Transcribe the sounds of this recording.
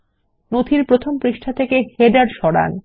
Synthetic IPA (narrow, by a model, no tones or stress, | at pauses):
not̪ʰiɾpɾot̪ʰompɾiʃʈʰat̪ʰekeheɖaɾʃɔɽa̰n